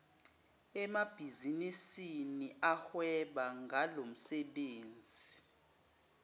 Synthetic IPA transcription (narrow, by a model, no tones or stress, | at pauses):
ɛmab̥ʱizinisiniʔahwɛɓaŋɡʱalom̩sɛɓeːnd͡zʱi